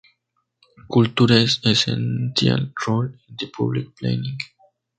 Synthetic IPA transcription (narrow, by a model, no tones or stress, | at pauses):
kult̪uɾesesẽnsja̰lɹolĩnd̪əpʰṵblik̚plḛ̃nĩŋɡ